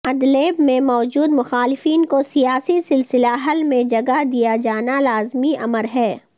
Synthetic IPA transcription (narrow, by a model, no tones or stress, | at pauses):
ɐd̪leːbmẽmɔːd͡ʒuːd̪mʊxaːlɪfiːnkosijaːsisɪlsɪlaɦɐlmẽd͡ʒɐɡaɦd̪ijad͡ʒaːnalaːzmiʔɐ̰məɾɦɛː